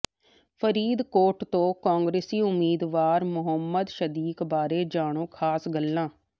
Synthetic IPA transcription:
pʰəɾiːd̪koːʈt̪õːkãːŋɡɾeːsiːʊmiːd̪ʋaːɾmʊɦəmːəd̪ʃəd̪iːkbaːɾeːd͡ʒaːɽ̃õːkʰaːsɡəlːãː

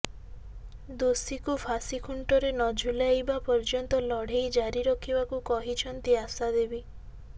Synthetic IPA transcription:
d̪osikupʰasikʰuɳʈɔɾenɔd͡ʒʱulajbapɔɾd͡ʒɔnt̪ɔlɔɽ̤ejd͡ʒaɾiɾɔkʰibakukɔɦit͡ʃʰɔnt̪iasad̪ebi

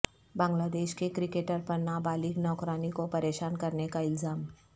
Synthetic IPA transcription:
bãːŋɡlaːd̪eːʃkekɾɪkeːʈəɾpɐɾnabaːliɡnɔːkɾaːnikopɐɾeːʃaːnkɐɾnekaɪlzaːm

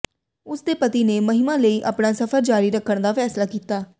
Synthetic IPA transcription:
ʊsd̪eːpət̪iːneːməɦɪmãːləiːʔa̰ːpɳaːsəfʰəɾd͡ʒaːɾiːɾəkʰːəɳd̪aːpʰɛːslaːkiːt̪aː

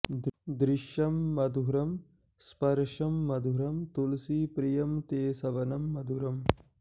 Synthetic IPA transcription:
d̪ɾɪʃjɐmːɐd̪ʱuɾɐm | spɐɾʂɐmːɐd̪ʱuɾɐmt̪ulsipɾijɐmt̪eːsɐʋɐnɐmːɐd̪ʱuɾɐm

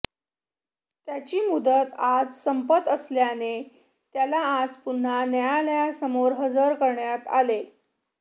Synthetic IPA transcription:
t̪jat͡ɕiːmud̪ət̪ad͡zsəmpət̪əsljane | t̪jalaːd͡zpun̤anjajaljasəmoɾɦəd͡zəɾkəɾɳjat̪a̰le

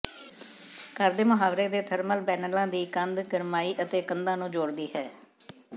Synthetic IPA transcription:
kəɾd̪eːmʊɦaːʋɾeːd̪eːt̪ʰəɾməlbɛːnəlãːd̪iːkənd̪ɡəɾmaːiːʔət̪eːkənd̪ãːnũːd͡ʒoːɽd̪iːɦɛː

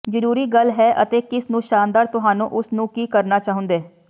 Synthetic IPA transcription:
d͡ʒəɾuːɾiːɡəlɦɛːʔət̪eːkɪsnũːʃaːnd̪aːɾt̪ʊɦaːnṵ̃ːʔʊsnũːkiːkəɾnaːt͡ʃaːɦʊ̃nd̪eː

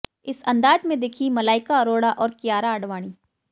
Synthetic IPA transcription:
ɪsɐ̃nd̪aːd͡ʒmẽd̪ekʰimɐlaːɪkaɐɾoːɽaʔɔːɾkjaːɾaɐɖʋaːɽ̃iː

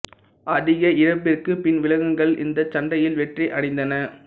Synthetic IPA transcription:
ʔɐðɪɣɐɪɾɐp̬ːɪrkɯpɪnʋɪlɐɣɯŋɡɐɭɪ̰nd̪ɐt͡ʃɐɳɖɐjɪlʋɛʈriʔɐɽɛɪnd̪ɐnɐ

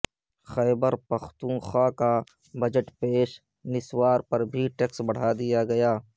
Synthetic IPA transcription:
xɛːbəɾpɐxt̪ũːxaːka | bɐd͡ʒəʈpeːʃ | nɪswaːɾpɐɾbʱiʈeːksbɐɽ̤aːd̪ɪjaɡɐjaː

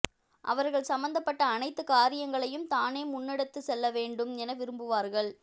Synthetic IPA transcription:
ʔɐ̰ʋɐɾɣɐɭsɐmbɐnd̪ɐpːɐʈːɐːnɐɪt̪ːɯkaːɾɪjɐŋɡɐɭɐjɯmt̪aːneːmʊnːɪɽɐt̪ːɯsɛlːɐʋeːɳɖɯmnɛnɐʋɪɾɯmbɯʋaːɾɣɐɭ

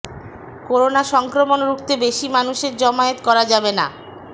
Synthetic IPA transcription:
koɾonaʃɔŋkɾomonɾukt̪ebeʃimanuʃeɾd͡ʑɔmaet̪kɔɾad͡ʑabena̰

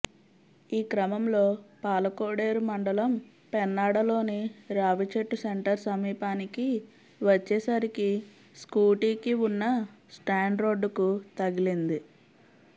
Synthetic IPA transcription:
iːkɾɐmɐmlo̞ːpaːlɐkoːɽe̞ːɾumɐɳɖɐlɐm | pɛnːaːɽɐlo̞ːniɾaːʋit͡ʃeʈːuseɳʈɐɾsɐmiːpaːniki | ʋɐt͡ʃːɛːsɐɾiki | skuːʈiːkiunːɐsʈaːɳɖɾo̞ːɖkut̪ɐɡilind̪i

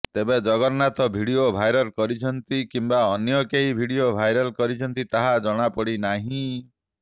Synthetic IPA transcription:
t̪ebed͡ʒɔɡɔɾnat̪ɔbʱiɽiobʱajɾɔɾkɔɾit͡ʃʰɔnt̪ikimbaɔnjɔkeɦibʱiɽiobʱajɾɔlkɔɾit͡ʃʰɔnt̪it̪aɦad͡ʒɔɽ̃apɔɽinaɦĩ

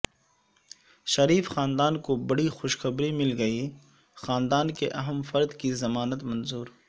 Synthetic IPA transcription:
ʃɐɾiːfxaːnd̪aːnkobɐɽixʊʃxɐbɾimɪlɡɐi | xaːnd̪aːnkeʔɐɦəmfɐɾd̪kizɐmaːnət̪mɐnzuːɾ

